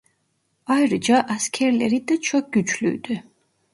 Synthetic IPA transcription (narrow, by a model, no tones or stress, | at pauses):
ajɾd͡ʒaʔaskʰɛɾlɛɾid̪at͡ʃʰɔk̚ɡyt͡ʃʰlṵd̪ɛ